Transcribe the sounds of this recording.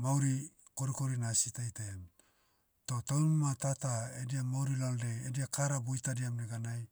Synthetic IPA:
mawɾi | ko̞ɾiko̞ɾinasitajtam | to̞tawnumatataediamawɾilaldeediakaɾabojtadiamneɡanaj

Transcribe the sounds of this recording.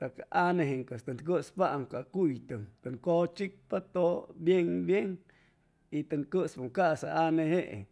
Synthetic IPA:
t̪akaʔaneɦeŋkest̪and̪k̬əʔspaʔŋkakujt̪ɨŋt̪aŋkot͡ʃik̚pat̪objeŋbjeŋ | it̪ankəspaŋkasaʔaneheʔḛ

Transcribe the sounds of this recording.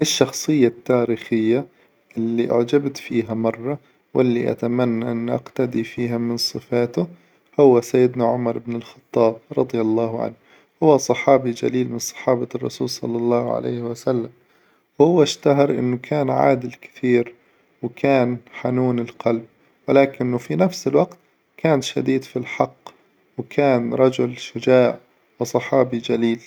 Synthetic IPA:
ʔɪʃːɑxsˤɨjːat̪ːaːɾiːxɪjːa | ʔɪlːiʔʊ̰ʕd͡ʒabt̪fiːɦamɑrˤːɑ | wɪlːiʔa̰t̪amanːaʔɪnːʔa̰qt̪ad̪ifiːɦamɪnsˤɨfaːt̪ʊ | hʊwːasajːɪd̪naʕʊmɑɾˤʔɪbnɪlxɑ̥t̪ˤːɑːb̚ɾˤɑd̪ˤjalˤːɑːhʕa̰nh | hʊwːasˤɑħɑːbid͡ʒa̰liːlmɪnsˤɑ̥ħɑːbɑrˤːɑ̰suːlsˤɑ̰lːɑlˤːɑːhʕa̰lʔḛːhɪwasalːam | whʊwːaʃt̪aɦɑɾˤʔɪ̰nːʊkʰaːnʕa̰ːd̪ɪlkɪ̥t̪iːɾ | wkʰaːnħanuːnɪlqɑlb̚ | wɪlaːkɪnːʊfinafsɪlwaɡt̪ | kʰaːnʃad̪iːd̪filħɑqː | wkʰaːnɾˤɑd͡ʒʊlʃʊd͡ʒaːʕ | wɪsˤɑħɑːbid͡ʒaliːl

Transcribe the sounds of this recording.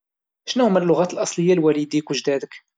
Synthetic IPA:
ʃnæhʊmælːʊɣæt̪əlʔɑsˤləjːalwælid̪ikwəʒd̪æd̪ək

